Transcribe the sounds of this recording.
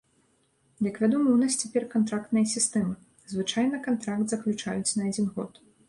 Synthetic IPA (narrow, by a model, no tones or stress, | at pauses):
jɐkvʲad̪ɔmɨwnasʲt͡sʲɛpʲɛrkant̪ɾakt̪nɐjɐsʲist̪ɛmɨ | zvɨt͡ʂajn̪ɐkant̪ɾakt̪zɐklʲut͡ʂa̰jut͡sʲnɐad͡zʲinɣɔ̰t̪